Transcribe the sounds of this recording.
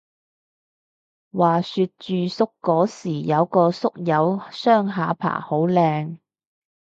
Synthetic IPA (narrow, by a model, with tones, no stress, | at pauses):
waː˨˩syː˧t̚t͡ʃyː˨sʊ˥kːɔː˨˥siː˨˩jɐ˨˧wkɔː˧sʊ˥k̚jɐ˨˧wsœː˥ŋɦaː˨˧pʰa̰ː˨˩ho˨˥wlɛː˧ŋ